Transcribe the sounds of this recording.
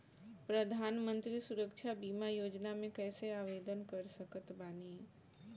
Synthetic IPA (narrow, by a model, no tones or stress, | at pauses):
pɾəd̪ʱaːnmə̃nt̪ɾisuɾəkʃʰabiːmajoːd͡ʒnamẽkɛːseaːʋed̪ənkəɾsəkət̪baːniː